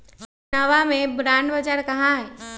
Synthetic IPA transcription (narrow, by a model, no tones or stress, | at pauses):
nɐʋamẽbɾãːɳɖbəd͡ʒaɾkɐɦãɦɛ